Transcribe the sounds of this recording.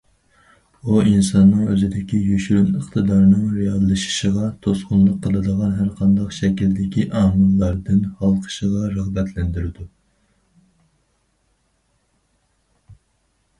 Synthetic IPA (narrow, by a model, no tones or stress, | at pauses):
uinsɑnːɨŋøzɪd̪ɪkʲʰijyʃyɾynəχt̪ɨd̪ɑɾnɨŋɾijɑd̪lˠɨʃi̥ʃəʁɑt̪ʰosqʊnlˠəqʰːəlˠɨd̪əʁɑnɦæɾqʰɑnd̪ɑqʃɛkʲild̪ɪkʲʰiʔɑːmɨlˠːɑɾd̪ɨnhɑlˠqʰə̥ʃəʁɑɾæʁbɛt̪ʰlɛnd̪ɪɾɪd̪u